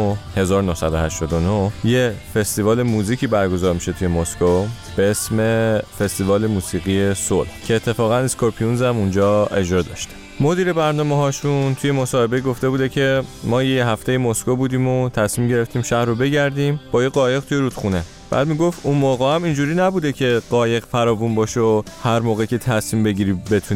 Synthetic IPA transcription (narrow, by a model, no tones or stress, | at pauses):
he̞zɒːɾonohsæd̪ohæʃt̪ɒːd̪onojefe̞st̪ivɒːle̞muːziːcʰiːbæɾɡo̞zɒːɾmiʃe̞t̪ʰujemosko | b̥eesme̞fest̪ivɒːle̞muːsiːɣiːesolhcʰe̞ːt̪ʰːe̞fɒːɣæneskoɾpʰiunzæmund͡ʒɒːe̞d͡ʒɾɒd̪ɒ̰ːʃt̪e̥ | mo̞d̪iːɾe̞bæɾnɒːmeɦɒːʃunt̪ʰuje̞mosɒːhe̞beɡo̞ft̪e̞buːd̪ecʰe̞mɒːjejɦæft̪e̞jemoskʰobuːd̪iːmot̪ʰæsmiːmɟe̞ɾe̞ft̪iːmʃæhɾobe̞ɟæɾd̪imb̥ɒːjeɡɒːje̞ɣ̚t̪ʰuje̞ɾud̪̥xune̞ | b̥æ̰ːd̪miːɡo̞ft̪unmoːɣɛæmind͡ʒuːɾiːnæbuːd̪e̞cʰe̞ɢɒːje̞ɣfæɾɒːvunbɒːʃohæɾmoːɣecʲʰe̞t̪ʰæsmiːmbe̞ɟiɾiːbe̞t̪ʰuni